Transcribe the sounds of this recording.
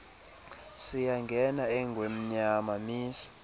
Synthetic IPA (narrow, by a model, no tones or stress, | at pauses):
sijaŋɡʱɛnaɛŋɡʱwem̩ɲamamiːsi̥